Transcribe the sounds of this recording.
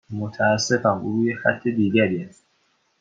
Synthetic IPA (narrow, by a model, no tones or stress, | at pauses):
mot̪ʰaːsːefanujexa̰t̪ʰːed̪iːɡæɾiast̪